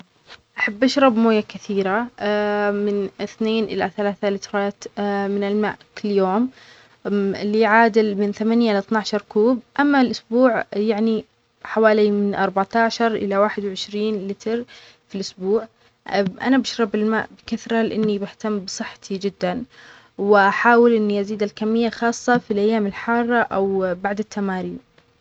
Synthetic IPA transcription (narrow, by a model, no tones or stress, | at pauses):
ʔaħabːʔaʃɾˤɑbmoːjakɪθiːɾa | mɪnɪθneːnʔɪ̰la̰θalaːθalɪt̪ɾˤɑːt̪mɪnɪlma̰ːʔkɪlːjoːm | ɪlːiʕaːd̪ɪlmɪnθamanjaʔɪlθnaʕʃɑɾˤkuːb̚ʔamːalʔʊsbuːʕjaʕni | ħawaːlimɪnʔɑɾˤbaʕt̪aːʃɑɾˤʔɪ̰lawaːħɪd̪wʕɪʃɾiːnlɪt̪ʰɾ | filʔʊsbuːʕ | ʔa̰nabaʃɾˤɑbɪlma̰ːʔbɪkaθɾˤɑlɪʔɪnːibɪht̪amːbɨsˤɨħːɑ̥t̪ʰid͡ʒɪd̪ːan | wɪʔaħaːwɪlʔɪnːiʔaziːd̪ɪlkamːɪjːaxɑːsˤːɑfilʔajːaːmɪlħɑrˤːɑʔawbaʕd̪ɪt̪ʰːamaːɾiːm